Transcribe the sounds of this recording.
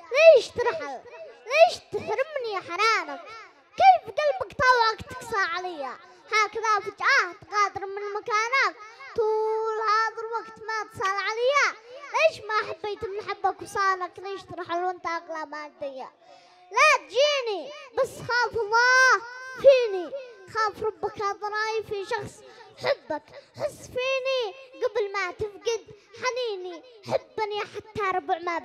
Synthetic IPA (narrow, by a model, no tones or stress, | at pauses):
leːʃt̪ɾħɪlleːʃt̪ɪħɾɪmniħaɾaːnak̚ | keːfɡalbakt̪ˤɑwʕakt̪ɪ̥ksˤɑʕalajːa | haːkaðafit͡ʃʔat̪ɣaːd̪ɪɾmɪnɪlmakaːnakt̪uːlhaːðɪlwaɡt̪mat̪sˤɑlʕalajːaleːʃmaħabːiːt̪ɪnːħabːakwsˤɑːlakleːʃt̪ɾħɪlwɪnt̪aʔaqlamaːd̪ɪjːa̰ | lat̪̚d͡ʒiːnibasxaːfɑlˤːɑːfiːnixaːfɾˤɑbːakaðˤɑɾˤɑːjfiʃɑxsˤħɪbːakħʊsːfiːniɡablmat̪ɪfɡɪd̪ħaniːniħɪbːniħat̪ːaɾˤbʕmab